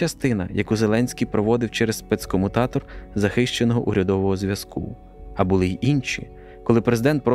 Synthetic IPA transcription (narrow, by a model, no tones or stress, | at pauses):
ɐst̪ɪnɐ̰jɐkuzelˠɛnʲsʲkʲijpɾɔʋɔd̪ɪwt͡ʃɛɾessːpɛt̪skɔmʊt̪ɑt̪ɔrzɐxɪʃt͡ʃenɔɦɔʔuɾʲɐd̪ɔʋɔɦɔzʲʋʲjɐskʰṵ | ɐbʊlˠɪʔinʲʃʲḭ | kɔlˠɪpɾezɪd̪ɛnt̪̚pɾɔ